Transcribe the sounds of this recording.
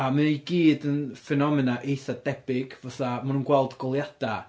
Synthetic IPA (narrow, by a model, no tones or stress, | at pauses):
aməniɡiːdənfɛnɔmɪnaʔejθadɛb̥ɪɡ̥vaθamanunɡwɛlˠdɡɔlˠjad̥a